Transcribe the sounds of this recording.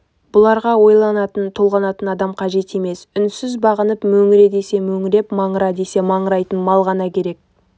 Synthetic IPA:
b̥ʊlˠɑɾʁɑwo̞jlˠɑnɑt̪ənt̪ʰolˠʁɑnɑt̪ənɑd̪ɑmqʰɑʒe̞t̪eme̞sʏnsɪzbɑʁənəpmɵŋɪɾe̞d̪e̞se̞mɵŋɪɾe̞pmɑɴəɾɑd̪ese̞mɑɴəɾɑjt̪ənmɑlˠʁɑnɑkʲʰe̞ɾe̞k̚

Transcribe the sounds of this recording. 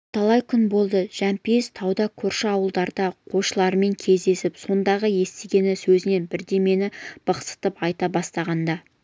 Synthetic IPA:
t̪ʰɑlˠɑjkʲʰʏnbo̞lˠd̪əʒ̥æmpe̞st̪ʰɑwd̪ɑkʲʰɵɾʃɪɑwəlˠd̪ɑɾd̪ɑqʰo̞ʃəlˠɑɾəme̞ŋkʲʰe̞zd̪e̞sɪpso̞nd̪ɑʁəje̞st̪eɡʲe̞nɪsɵzɪne̞nbɪɾd̪e̞me̞nɪb̥əqsə̥t̪əpɑjt̪ɑbɑst̪ɑʁɑnd̪ɑ

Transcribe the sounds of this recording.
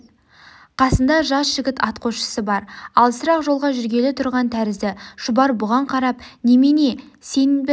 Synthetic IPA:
qʰɑsənd̪ɑʒɑsʒ̥ɪɡʲɪt̪ɑt̪qʰoʃə̥səbɑɾɑlˠsəɾɑqʒo̞lˠʁɑʒʏɾɡʲe̞lɪt̪ʰʊɾʁɑnt̪ʰæɾɪzd̪ɪʃʊbɑɾbʊʁɑɴqʰɑɾɑpnemene̞se̞nbɪ

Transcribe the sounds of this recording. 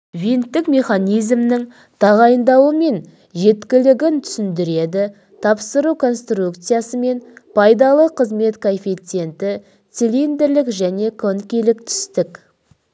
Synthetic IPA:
vʲint̪ːɪkmʲe̞χanʲijzmnɪŋ | t̪ʰɑʁɑjənd̪ɑwəme̞n | ʒe̞t̪kʲɪlɪɡʲɪnt̪ʰʏ̥sɪnd̪ɪɾe̞d̪ɪ | t̪ʰɑpsəɾukʰo̞nst̪rukt̪sɨjasəme̞npʰɑjd̪ɑlˠəqʰəzme̞t̪kʰo̞nfit̪se̞nt̪ɪ | t̪silind̪eɾlɪkʒæne̞kʰonkʲelɪk̚t̪ʰʏ̥st̪ɪk

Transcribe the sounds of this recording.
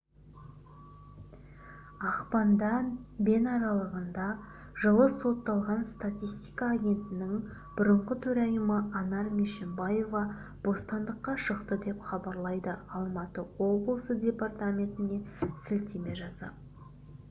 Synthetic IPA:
ɑqpɑnd̪ɑnbe̞nɑɾɑlˠəʁənd̪ɑ | ʒəlˠəso̞t̪ːɑlˠʁɑnst̪at̪ʲist̪ijkɑːɡʲe̞nt̪ɪnɪŋ | b̥ʊɾəɴʁət̪ʰɵɾɑjəməʔɑnɑɾmeʃembajo̞vɑ | b̥o̞st̪ɑnd̪əqːɑʃəqt̪əd̪e̞pχɑbɑɾlˠɑjd̪əɑlˠmɑt̪əwo̞blˠəsədʲe̞part̪amʲe̞nt̪ɪne̞sɪlt̪eme̞ʒɑsɑ̰

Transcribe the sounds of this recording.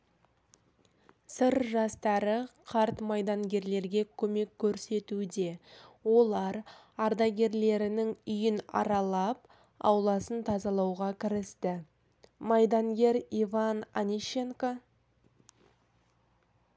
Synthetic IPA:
səɾʒɑst̪ɑɾəqʰɑɾt̪mɑjd̪ɑŋɡʲe̞ɾle̞ɾɡʲe̞kʲʰɵme̞kʲʰːɵɾse̞t̪ud̪e̞wo̞lˠɑɾ | ɑɾd̪ɑjɡʲe̞ɾle̞ɾɪnɪŋʏjɪnɑ̰ɾɑlˠɑp̚ | ɑ̰wlˠɑsənt̪ʰɑzɑlˠɑwʁɑkʲʰɪɾɪst̪ɪ | mɑjd̪ɑŋɡʲe̞ɾivɑnanʲiʃeŋko

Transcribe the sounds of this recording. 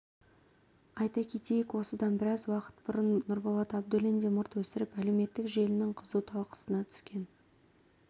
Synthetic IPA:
ɑjt̪ɑkʲʰe̞t̪ejɪkwo̞səd̪ɑnbɪɾɑzwɑqə̥t̪̚bʊɾənːʊɾbɑlˠɑt̪ɑbd̪ɵlend̪emʊɾt̪wɵsɪɾɪpæle̞wme̞t̪ːɪkʒe̞lɪnɪŋqʰəzuwt̪ʰɑlˠqə̥sənɑt̪ʰʏ̥skʲe̞n

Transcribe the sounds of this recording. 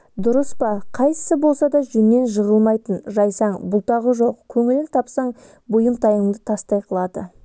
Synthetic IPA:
d̪ʊɾəspɑqʰɑjə̥səbo̞lˠsɑd̪ɑʒɵnːe̞nʒəʁəlˠmɑjt̪ənʒɑjsɑɴbʊlˠt̪ɑʁəʒo̞qkʲʰɵŋɪlɪnt̪ʰɑpsɑɴ | bojəmt̪ʰɑjəɴd̪ət̪ʰɑst̪ɑjqʰəlˠɑd̪ə

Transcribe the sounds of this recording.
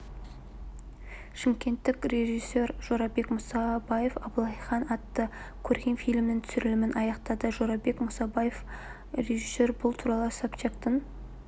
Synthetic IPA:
ʃɪmkʲe̞nt̪ːɪkɾe̞ʒisːe̞ɾʒ̥oɾɑbe̞kmʊsɑbɑje̞fɑbəlˠɑjχɑnɑt̪ːə | kʲʰɵɾɡʲe̞nfijlʲmnɪŋt̪ʰʏ̥sɪɾɪlɪmɪnɑjɑqt̪ɑd̪əʒoɾɑbe̞kmʊsɑbɑjef | re̞ʒisːe̞ɾbʊlˠt̪ʰuɾɑlˠəsɑpt͡ʃʰekt̪ən

